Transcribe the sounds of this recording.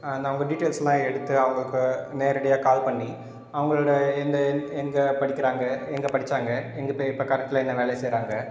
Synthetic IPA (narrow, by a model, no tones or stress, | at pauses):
nɐʋɐŋɡɐɖiʈːeːlsɐlãːɛɽɯt̪ːɯɐʋɐŋɡɐɭɯkːɯneːɾɯɽɐjaːkaːlpɐɳːi | ɐʋɐŋɡɐɭɯɽɐɛnd̪ɐɛŋɡɐpɐɽɪkʲːɪɾaːŋɡɐɛŋɡɐpɐɽɪt͡ʃːaːŋɡɐɛŋɡɐpɐɪpːɐkɐɾɛk̚ʈːɪlaɛnːɐʋeːɭɐsɛjɾaːŋɡɐ